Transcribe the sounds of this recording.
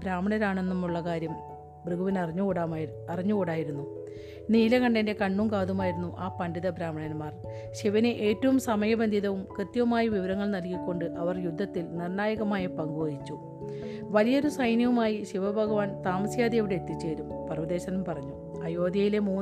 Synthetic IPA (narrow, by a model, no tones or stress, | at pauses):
bɾaːmɐɳɐɾaːɳe̞nːumːuɭːɐkaːɾjɐm | brɨɡuʋinɐriɲːuoa | ɐriɲːukoɽaːjiɾunːu | niːlɐɣɐɳɖɐnde̞kɐɳːumkaːðumaːjiɾunːuʔaːpɐndiðɐbɾaːmɐɳɐnmaːr | ɕiʋɐneʔe̞ːtːɐʋumsɐmɐjɐbend̪ʱiðɐʋumkrɨt̪jɐʋɐmaːjɐʋiʋɐɾɐŋːɐɭnɐlkikʲːo̞ɳɖɨʔɐʋɐrjud̪ʱːɐt̪ːilnirɳaːjɐɣɐmaːjɐpɐŋɡojit͡ɕːu | ʋɐlijɐoɾusɐjniɐʋumaːjiɕiʋɐbʱɐɡɐʋaːnt̪aːmɐsjaːd̪ijeʋiɽeet̪ːit͡ɕːeːɾumpɐrʋɐd̪e̞ːɕɐnumpɐrɐɲːu | ɐjo̞ːd̪jɐjile̞muː